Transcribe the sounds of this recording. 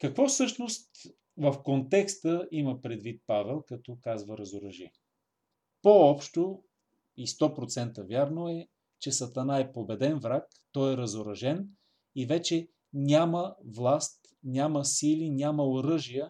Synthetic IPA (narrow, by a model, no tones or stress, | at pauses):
kəkvɔfsɤʃnost̪ | vəfkont̪ɛkst̪əiməpɾɛd̪vit̪̚pavɛlˠkɐt̪ɔkazvəɾɐzoɾɐʒḭə | poɔpʃt̪o | ist̪ɔpɾot̪sɛnt̪əvjaɾnoɛ | t͡ʃɛsɐt̪ɐnaɛpobɛd̪ɛnvɾak | t̪ɔjɛɾɐzoɾɐʒɛn | ivɛt͡ʃɛ | nʲaməvlˠast̪ | nʲaməsilinʲaməoɾɤʒijə